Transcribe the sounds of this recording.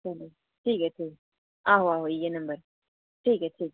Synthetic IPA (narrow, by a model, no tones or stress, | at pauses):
t͡ʃɐlo | ʈʰiːkeʈʰiːk | aːɦoaːɦoijenɐ̃mbəɾ | ʈʰiːkɛʈʰiːk